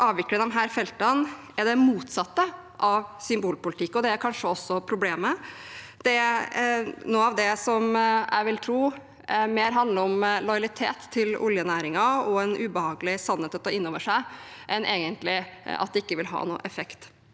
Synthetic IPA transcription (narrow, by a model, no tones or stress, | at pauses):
ʔɑːʋʋɪklɪŋɑʋɦæːɾfɛlt̪ɑn | ɛɾd̪ɛmuːt̪sɑt̪ːə | ʔɑʋsʏmbuːlpʊlɪt̪ʰɪkːɔd̪ɛæɾkʰɑnʂəɔsːɔpʰɾʊbleːmə | d̪̥ɛæ | nuːɑʋd̪ɛsɔmæ̰ɪʋɪlt̪ʰɾuː | meːɾɦɑnd̪ləɾɔmlɔjɑlɪt̪ʰḛːt̪ʰːɪlʊ̰ljənæːɾɪŋɑɔɛnʔʉːbəhɑːɡəlɪsɑnheːt̪ːɛt̪ːɑɪnːoːʋəʂæɪʔɛnʔeːɡənt̪lɪɑt̪d̪ɛɪkːəʋɪlɦɑ̰ːnṵːəʔɛfɛkt̪